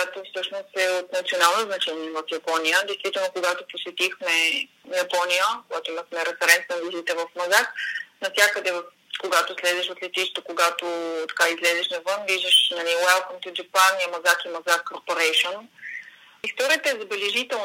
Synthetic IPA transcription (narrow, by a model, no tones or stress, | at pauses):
kojat̪ofsɤʃnost̪ɛot̪nɐt̪sionalˠnoznɐt͡ʃɛniɛvɐfjɐpɔnijəd̪ɛjst̪vit̪ɛlˠnokoɡat̪oposɛt̪ixmɛ | jɐpɔnijəkoɡat̪oiməxmɛɾɛfɛɾɛnt̪nɐvizit̪əvɐfmɐzaknɐfsʲakəd̪ɛvə | koɡat̪oslɛzɛʃot̪lʲɛt̪iʃt̪əkoɡat̪ot̪ɐ̥kaizlɛzɛʃnɐvɤnviʒd̪əʃnɐliwɛlˠkomt̪ʊd͡ʒɛpanːiɐmɐzakimɐzakkːoɾpoɾɛjʃon | ist̪ɔɾijət̪əɛzɐbɛlɛʒit̪ɛln